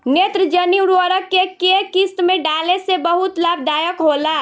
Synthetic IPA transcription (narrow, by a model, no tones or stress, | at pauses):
neːt̪ɾəd͡ʒəniwɾəɾəkːekekist̪mẽɖaːlesebəɦʊt̪laːb̚d̪aːjəkɦolaː